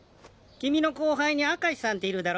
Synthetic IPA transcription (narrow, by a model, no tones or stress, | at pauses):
kʲimʲino̞ko̞ːɦaiɲ̟iakaɕi̥sãnt̪e̞iɾɯ̟d̪aɾo